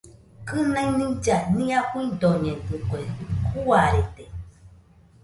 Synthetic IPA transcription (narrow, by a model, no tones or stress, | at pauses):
kɨnãĩnĩd͡ʒanĩakuĩnd̪oɲẽntɨkoekʰuaɾet̪e